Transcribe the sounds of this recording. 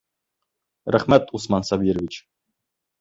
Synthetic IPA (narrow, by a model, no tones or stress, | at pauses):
ɾæχmæt̪usmɑnsɑbʲiɾəvʲit͡ɕ